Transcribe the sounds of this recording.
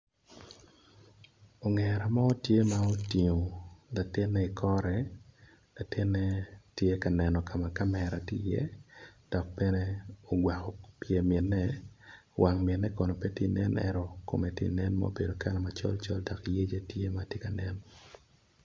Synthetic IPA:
o˨ŋɛ˨ɾa˨mɔ˦tje˦ma˦o˦ti˨ŋo˨la˨tɪ˦nːɛ˦i˨kʰɔ˦ɾɛ˨ | la˨tɪ˦nːɛ˦tje˦ka˨nɛ˨nɔ˨kʰa˨ma˨ka˦mɛ˨ɾa˨tḭ˦jɛ̰˦d̥ɔ˨k̚pɛ˦nɛ˦o˨ɡwa˨kɔ˨pje˨mɪ˨nːɛ˦ | wʔa˨ŋmjɪ˨tnːɛ˦kɔ˨no˨pɛ˦ti˦nɛ˦nʔɛ̰ɾɔ˦ko̰˨me˨tḭ˦nɛ˦nma̰o̰be˨do˨kʰa˦la˨mat͡ʃɔ̰˦lt͡ʃɔ̰˦lda˨kje˦d͡ʒe˦tje˦matje˦ka˨nɛ˦n

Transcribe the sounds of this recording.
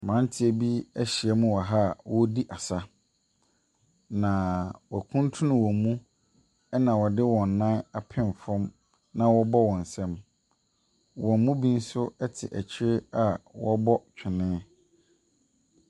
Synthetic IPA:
mã˨˦n˦tʰɪ˦æ˨bi˦æ˦ɕi˨ɛ˦mũ˦wɔ˨ɦa˦˨wɔ˦di˦ʔa˨sa˦ | nã˨wɔ˨æ˨kʰũ˦ntʰũ˦nʊ̃˦wɔ̃˨mũ˦ | ɛ˦nã˨wɔ˨dɪ˦wɔ̃˨nː˨ã˦na˨pʰɪ̃˦˨nfɔ̃˦m | nã˦wɔ˦bɔ˦wɔ̃˨n̩˨sɛ̃˦m | wɔ̃˨m˦mũ˦bĩ˦n̩˦sʊ˦ɛ˦tʰɪ̰˨ʔæ̰˨t͡ɕʰɪ˦ɪ˦a˨wɔ˦bɔ˦t͡ɕᶣʰɪ˨nɪ̃ː˦

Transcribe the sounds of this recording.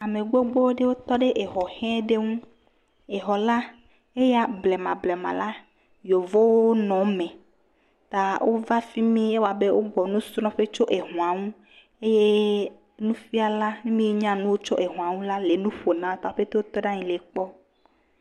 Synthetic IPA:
a˨me˨ɡ͡bo˦ɡ͡bo˦wo˦ɖe˦wo˦t̪ɔ˦ɖe˦ʔe˨ɦɔ˨hɛ̃˦ɖe˦ŋũ˦ | e˨ɦɔ˨la˦ | e˦ja˦ble˨mã˨blɛ˨mã̰˨la˦ | jo˨vo˦wo˦o˦nɔ̃˨mẽ˨ | t̪a˨wʔo˦va˦fi˦mẽ˦e˦wo˦˨a˨be˦wo̰˦ɡ͡bɔ˨nũ˦sɾɔ̃˦ɸe˦t͡ʃo˦ʔe˨ɦũ˨a˨ŋũ˦ | e˦je˦ | nũ˦fi˦a˨la˦mĩ˦mĩ˦e˦ɲã˦nũ˦wo˦t͡ʃo˦ʔe˨ɦũ˨ã˨ŋũ˦la˦le˨nũ˦ɸo˨nã˦t̪a˨o˦ɸe˦t̪e˦wo˦t̪ɔ˦ɖã˦ɲĩ˨le˨k͡pɔ˦

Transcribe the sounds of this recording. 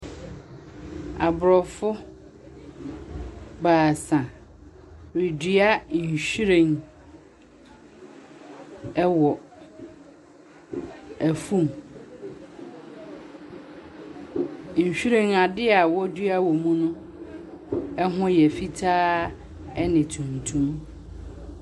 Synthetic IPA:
a˨bʊ˨ɾɔ˨fʊ˦ | baː˨sã˨ | ɾi˨dɥa˦ɲ̩˨ɕi˦ɾẽ˨ŋ | ɛ˦wɔ˨ | æ˨fũ˦m | ɲ̩˨ɕᶣi˦ɾẽ˦ŋa˨dɪ˦a˨wɔ˦dɥa˦wɔ˨mũ˦nʊ̃˦ | ɛ˦ɦʊ̃˦jɛ˨fi˦tʰaː˦ | ɛ˦nɪ̃˨tʰũ˨ntʰũ˦m

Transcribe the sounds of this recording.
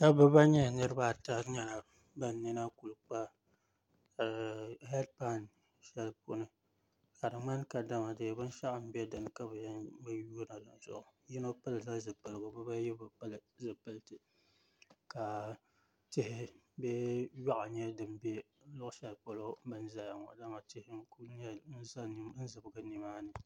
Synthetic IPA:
ka˦bɨ˦ba˦ɲɛ˦˨nɨ˦ɾɨ˦ba˦˨ta˦ɲa˦˨ | ba˦n˨nɨ˦na˦ku˨lk͡pa˦˨ | hɛ˦d̚pa˦˨n | ʃɛ˦lpo˨nɨ˦ | ka˨dɨ˨ŋ͡ma˦n˦ka˨da˦ma˨dɨ˨bɨ˦n˦ʃa˦ʔa˨m̩˨bɛ˦dɨ˨n˨ka˦bɨ˨ja˦nbɨ˦juː˦na˨dɨ̰˨zʊ̰˨ʔʊ˨ji˦no˦pa˦lɨ˨za˦zɨ˨pɨ˨lɨ˨ɡo˨bɨ˦ba˦jɛ˦bɨ˨plɨ˨zɨ˨pɨ˦ltɨ˨ | ka˨ | tɪ˦hɪ˦ | bɛ˦ja˦ʔa˨ɲɛ˦dɨ˨m˦bɛ˦ | lʊ˦ʔʊ˦ʃɛ˨lpo˨lo˦bɨ˦n˦za˨ja˨ŋɔ̰˨da˦ma˨tɪ˦hɪ˦ku˦ɲɛ˦n̩˦za˦ni˦m˦n̩˦zɨ˨bɨ˨ɡɨ˦ni˨maː˦nɨ˨

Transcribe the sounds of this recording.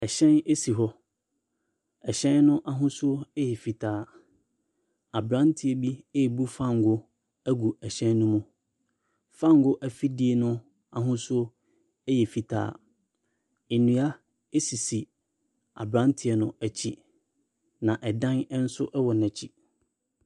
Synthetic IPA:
ɛ˨ɕɛ̃˦ne˦si˨ɦɔ˦ | ɛ˨ɕɛ̃˦nnʊ̃˦ʔa˨ɦʊ̃˦sʊ˦o˦ɛ˦jɛ˨fi˨tʰaː˨ | a˨bɾã˦n˦tʰi˨ɛ˨bi˦e˦˨bu˦fã˦˨ŋ˨ɡʊ˦ | æ˦ɡu˨ɛ˨ɕɛ̃˦nː˦ʊ̃˦mũ˦ | fã˦˨ŋ˨ɡʊ˦ʔæ˨fi˦di˦e˨nʊ̃˦ | a˨ɦʊ̃˦sʊ˦o˦ | ɛ˦jɛ˨fi˨tʰa̰ː˨ | e˨nũ˨a˦ | e˦si˨si˨ | a̰˨bɾã˦n˦tʰɪ˨ɛ˨nʊ̃˦æ˨t͡ɕʰi˦ | nã˨ʔɛ˨dã˦n˦n̩˦sʊ˦ʔɛ˦wɔ˨næ̃˨t͡ɕʰi˦

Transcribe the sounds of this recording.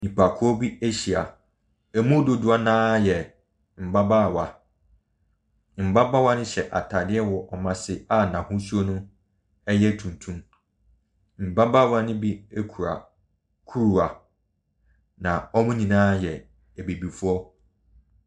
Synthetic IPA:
nĩ˨pʰa˨kʰʊ˦ɔ˦bi˦e˦ɕi˨a̰˨ | ɛ˨mũ˦dʊ˦dʊ˨˦a˦nãː˦jɛ˨ | m̩˨ba˦baː˦˨wa˨ | m̩˨ba˦ba˦wa˦nʊ̃˦ɕɛ˨ʔa̰˨tʰa˨dɪ˦ɛ˦wɔ˨ʔɔ˨mã˨sɪ˦a˦nã˨hʊ̃˦su˦ɔ˦nʊ̃˦ | ɛ˦jɛ˦tʰũ˨ntʰũ˦m | m̩˨ba˦baː˦˨wa˦nʊ̃˦bi˦e˦kʰu˨ɾa̰˨ | kʰu˦ɾu˨a˨ | nã˨ɔ˦mʊ̃˦nĩ˨nãː˦jɛ˨ | ɛ˨be˨bi˨fʊ˦ɔ˦

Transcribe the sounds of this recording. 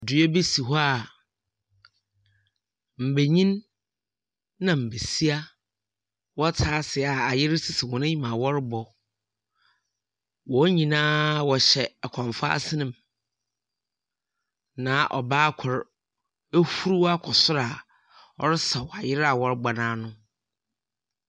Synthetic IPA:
dʊ˨ɛ˦be˦si˨ɦɔ˦a˨ | m̩˨be˨ɲĩ˦n | ã˨m̩˨be˨si˦a˦ | wɔ˦tʰaː˦sɪ˨a˨a˨jɪ˦ɾɪ˦sɪ˨sɪ˨wɔ̃˨nɪ̃˦ɲĩ˨mã˨wɔ˦ɾbɔ˨ | wɔ˨˦ɲĩ˨nãː˦wɔ˨ɕɛ˨kʷʰɔ̃˨ɱfa̰˦a̰˦sɪ˦nɪ̃˨m | nã˨ʔɔ̰˨baː˦kʰʊ˨ɾ | e˦hu˦ɾu˦wa˦kʰɔ˨sʊ˦ɾa˨ | ɔ̰˦ɾɪ˦sa˨wɔ˨a˨jɪ˦ɾa˨wɔ˦ɾɡ͡ba˨nãː˦nʊ̃˦

